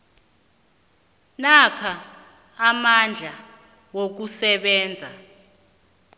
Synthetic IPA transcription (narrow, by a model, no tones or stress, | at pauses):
nakʰaː | mand͡ɮʱa | wok̬usɛɓɛːnd͡zʱa